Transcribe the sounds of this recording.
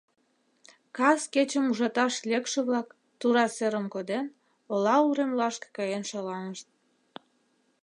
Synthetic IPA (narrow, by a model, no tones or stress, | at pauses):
kɑsket͡ɕəmuʒɑt̪ɑʃlʲekʃĕβlɑk | t̪uɾɑseɾəmkod̪en | olɑuɾemlɑʃke̥kɑjenʃɑlɑnəʃt̪̚